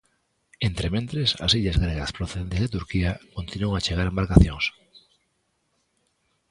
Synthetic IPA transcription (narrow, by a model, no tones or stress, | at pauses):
ent̪ɾemẽnt̪ɾesa̰siʎazɣɾeɣaspɾoθeðent̪ezðet̪̬uɾkiakont̪inuoŋat͡ʃeɣ̞aɾembaɾkaθjoŋs